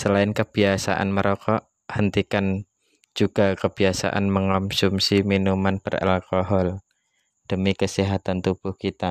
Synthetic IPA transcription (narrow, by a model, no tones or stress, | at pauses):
səlaɪnkəbiasa̰ʔa̰nməɾʔokʰɔʔ | hənt̪ikan | d͡ʒuɡ̥akəbiasa̰ʔa̰nməŋɔmsumsiminumanpəra̰lkɔɦɔl | d̥əmikəsiɦat̪ant̪ub̥ʊhkit̪a